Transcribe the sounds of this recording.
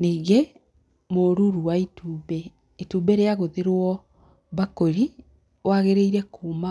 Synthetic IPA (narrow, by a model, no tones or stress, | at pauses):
niːɣe | moːɾuɾuwaitʰuːbɛ | itubɛɾeaɣoðeɾwɔ | βakoɾi | waɣeɾeiɾɛkuːma